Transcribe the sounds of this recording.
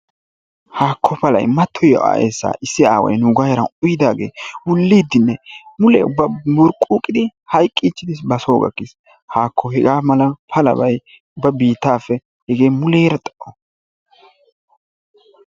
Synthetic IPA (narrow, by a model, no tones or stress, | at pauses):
haːkʰːɔpɐlɐ̰jmɐt̪ʰːɔjɔʔa̰ːʔḛːsːa̰ːʔɪsːɪaːwɐ̰jnʊɡajɐɾɐnʊjɪd̪aːɡe̞ːwʊlːiːd̪ːɪnːɛmʊlɛ̰ʊbːɐmɔɾkʼːuːkʼːɪd̪ɪhɐjkʼːiːt͡ʃːɪd̪ɪsbɐsoːɡɐ̰kːɪs | haːkʰːɔhɛɡaːmɐlɐpʰɐlɐ̰bɐj | ʊbɐbiːt̪ːaːfːɛ | hɛɡe̞ːmʊleːɾɐt̪ʼɐʔɔ